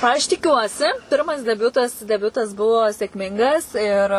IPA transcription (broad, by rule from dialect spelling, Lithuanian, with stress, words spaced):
ɐʃ tʲɪˈkʲuɔsʲɪ ˈpʲɪrmɐs dʲɛˈbʲʊtɐs dʲɛˈbʲʊtɐs ˈbʊʋoː sʲeːkˈmʲɪŋɡɐs ɪr